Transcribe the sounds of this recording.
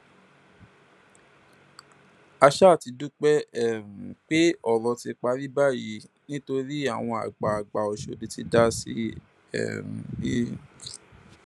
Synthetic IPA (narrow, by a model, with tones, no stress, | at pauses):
a˧ʃa˦˨ti˧du˦k͡pɛ˦ɛ˦˨ɾ̩̃˨k͡pe˦ɔ˦˨ɾɔ˧ti˧k͡pa˧ɾi˦ba˦˨ji˨˧˦ | nĩ˦to˧ɾi˦a̰˦˨w̃ɔ̃˧a̰˨ɡ͡ba˨a˨ɡ͡ba˨ɔ˨ʃo̰˧˨di˧ti˧da˦sḭ˦ | ɛ̰˦˨ɾ̃i˦